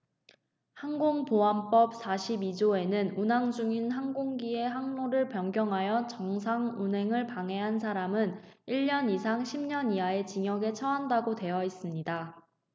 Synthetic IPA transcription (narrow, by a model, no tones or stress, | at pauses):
haŋɡoŋpoɦamp͈ʌp̚sʰaɕʰibid͡ʑoe̞nɯnunaŋd͡ʑuŋinɦaŋɡoŋɡie̞ɦaŋnoɾɯɭpjʌŋɡjʌŋɦajʌt͡ɕʌŋsʰaŋunɦe̞ŋɯɭpaŋɦe̞ɦansʰaɾamɯn | iɭːʌnisʰaŋɕʰimɲʌniae̞t͡ɕiŋjʌɡe̞t͡ɕʰʌɦandaɡote̞jʌis͈ɯmɲida